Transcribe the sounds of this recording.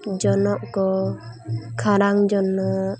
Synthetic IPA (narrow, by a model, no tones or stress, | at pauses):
d͡ʒɔnɔʔkɔ | kʰaɾaŋd͡ʒɔnɔ